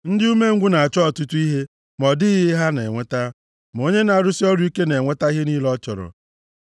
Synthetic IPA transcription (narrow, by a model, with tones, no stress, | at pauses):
n̩˦dɪ˦u˦me˦ŋ̩˦ɡʷʊ˦na˨a˨t͡ʃɔ˦ɔ˨tu˦tu˦i˦ɦe˦ | mɔ˨dɪ˦ɣɪ˦ɦa˦ne˨ŋʷe˦ta˦ | m˨o˦ɲe˦na˨ɾʊ˦sɪ˦ɔ˦ɾu˦i˦ke˦ne˨ŋʷe˦ta˦i˦ɦe˦ni˦lɔ˦t͡ʃɔ˨ɾɔ̰˨